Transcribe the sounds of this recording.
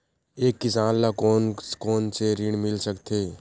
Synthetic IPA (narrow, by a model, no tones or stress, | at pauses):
eːkːɪsaːnlakonkoːnseɾɪɳ̃mɪlsəkt̪ʰeː